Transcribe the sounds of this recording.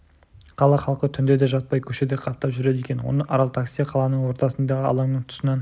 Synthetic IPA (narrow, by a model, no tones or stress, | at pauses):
qʰɑlˠɑχɑlˠqət̪ʰʏnd̪e̞d̪e̞ʒɑt̪̚pɑjkʲʰɵʃe̞d̪eqʰɑp̚t̪ːɑpʒʏɾe̞d̪e̞kʲe̞nwo̞̰nəʔɑɾɑlˠt̪ʰaksijɑqʰɑlˠɑnəɴwo̞ɾt̪ɑsənd̪ɑʁəɑ̰lˠɑŋnəɴt̪ʰʊ̥sənɑn